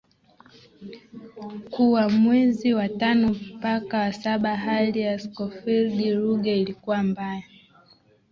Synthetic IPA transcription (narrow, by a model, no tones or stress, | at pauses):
kuwamwɛziwatanɔpakawasaɓaɦalijaskɔfilɗiɾuɡɛilikuwambaja